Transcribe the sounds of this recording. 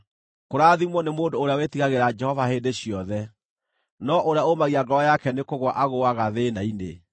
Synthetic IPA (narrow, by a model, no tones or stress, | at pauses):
koɾaːðimwɔnemoːndoːɾeawetiɣaɣeɾad͡ʒɛhɔvahendeɕjɔðɛ | nɔʔoɾeaomaɣiaɡɔɾɔjakɛnekoɣwaʔaɣoaɣaðenaine